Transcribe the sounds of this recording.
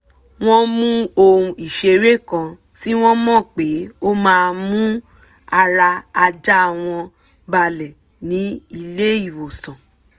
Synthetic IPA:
w̃ɔ̃˦mũ˦o˧ɾũ˧i˨ʃe˧ɾe˦˨kã˧ | ti˦w̃ɔ̃˦mɔ̃˦˨k͡pe˨˦o˦mãː˦˧mũ˦ | a˧ɾa˧a˧d͡ʒa˦a˨w̃ɔ̃˧ | ba˧˨lɛ˨ | nĩ˨˦i˧le˦i˦˨wo˨sã˨

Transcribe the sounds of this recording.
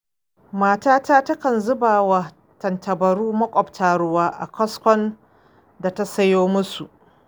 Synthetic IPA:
maː˨taː˦taː˦tɐ˦kɐ˨nzʊ˦baː˨wa˨ | tɐ˨ntʰɐ˨bɐ˨ɾuː˦mɐ˦kʷʼɔ˨btʰaː˦ɽʊ˦waː˦ʔa̰˨kʰʷɔ˦skʷɔ˦n | da˨ta˦sɐ˦joː˦mʊ˦su˨ʔ

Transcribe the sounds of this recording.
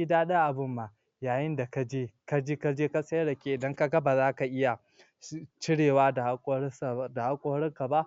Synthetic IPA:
i˦daː˦ɗa˦ʔa˨bʊ˦mːaː˨ | jaː˨jɪ˦nda˨ka˦d͡ʒeː˦ka˦d͡ʒeː˦ka˦d͡ʒeː˦ka˦sʼɐ˦jɽɐ˨kʲeː˦ʔɪ˨dɐ˦ŋka˦ɡɐ˦ba˨zaː˦ka˨ʔɪ˦ja˨ | t͡ʃɪ˦ɽeː˨waː˦dʼda˨ha˦kʷʼoː˦hɽɪ˦ŋka˨ba˦ʔ

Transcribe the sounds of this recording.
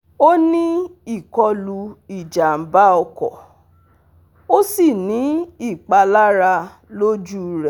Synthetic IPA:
o˦nĩ˦i˦˨kɔ˧lu˧i˨d͡ʒa˨m̩˨ba˦ɔ˧kɔ̰˨ | o˦si˦˨nĩ˨˦i˦˨k͡pa˧la˦ɾa˧ | lo˦d͡ʒu˦ɾɛ˨

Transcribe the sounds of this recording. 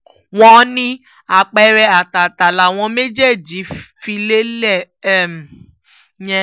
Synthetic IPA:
w̃ɔ̃˧nĩ˧ | a˨k͡pɛ˧ɾɛ˧a˨ta˨ta˨la˨w̃ɔ̃˧me˦d͡ʒe˦˨d͡ʒi˨˦fi˧le˦lɛ˦˨˦ | m˨ | jɛ̃˧

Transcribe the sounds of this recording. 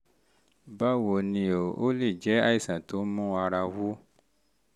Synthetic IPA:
ba˦wo˨nĩ˧o˨ʔo˦li˦˨d͡ʒɛ˨˦a˦i˦˨sã˨to˨˦mɔ̃˦a˧ɾa˧wu˦

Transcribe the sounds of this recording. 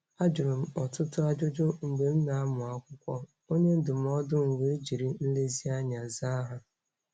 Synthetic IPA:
a˦d͡ʒʊ˨ɾʊ˨m̩˦ɔ˨tʊ˦tʊ˦a˦d͡ʒʊ˦d͡ʒʊ˦ŋ͡m̩˨ɡ͡be˨m̩˦na˨a˦mʊ˨a˦kʷʊ˦kʷɔ˦ | o˦ɲe˦n̩˦dʊ˨m̩˦ɔ˦dʊ˦ŋ̩˨ɡʷe˨˦d͡ʒi˨ɾi˨n̩˦le˦zi˦a˦ɲa˨za˦ɦa˦

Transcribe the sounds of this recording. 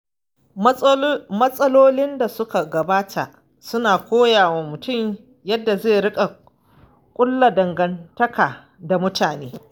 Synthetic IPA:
mɐ˦sʼɐ˦loː˦lɪ˦nda˨sʊ˦ka˨ɡɐ˨baː˦tʰa˨ʔ | sʊ˦naː˨kʷoː˦jaː˨wa˨mʊ˨tʊ˦˨m | jɐ˦dːa˨zeː˦˨ɽɪ˦kʼa˨ | kʷʼʊ˦lːa˨dɐ˨ŋɡɐ˨ntɐ˦kaː˨ | da˨mʊ˦taː˨neː˦

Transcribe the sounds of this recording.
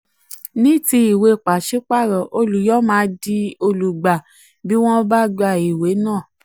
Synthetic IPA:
nĩ˦ti˧i˨we˧˨k͡pa˨ʃe˦k͡pa˦˨ɾɔ˨ʔo˧lu˨jɔ˦mãː˨˦di˧o˧lu˨ɡ͡ba˨ | bi˦w̃ɔ̃˦ba˦ɡ͡ba˧˨i˨we˨˦nãː˦˨

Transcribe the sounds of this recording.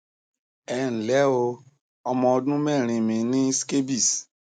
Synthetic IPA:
ɛ˨˧ñ̩˨lɛ˨˦o˧ | ɔ˧mɔ̃˧o˧dũ˦mɛ˦˨ɾ̃ĩ˧mĩ˨˧˦nĩ˦ske˦bi˦˨s

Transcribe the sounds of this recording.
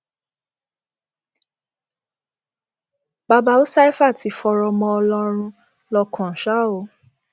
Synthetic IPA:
ba˧ba˧˦o˦sa˦i˦fa˦˨ti˨˧fɔ˧ɾɔ˧mɔ̃˧ɔ˧lɔ˧ɾ̃ũ˧ | lɔ˧kʰɔ̃˨ʃa˦o˨˦

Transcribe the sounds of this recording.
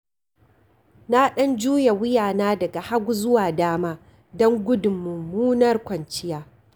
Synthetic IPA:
na˦ɗɐ˦nd͡ʒuː˦ja˨wʊ˦jaː˨naː˦dɐ˨ɡa˨ha˦ɡʷu˦zʊ˦waː˨daː˦maː˦ | dɔ˦ŋɡʷʊ˦dʊ˨mːʊ˨mːuː˦nɐ˦rkʷɐ˨nt͡ʃɪ˦jaː˦

